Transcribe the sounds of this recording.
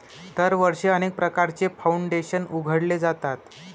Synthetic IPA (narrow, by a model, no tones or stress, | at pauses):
d̪əɾʋəɾʂeənek̚pɾəkaɾt͡sefauɳɖeɕənuɡʱəɽled͡zat̪at̪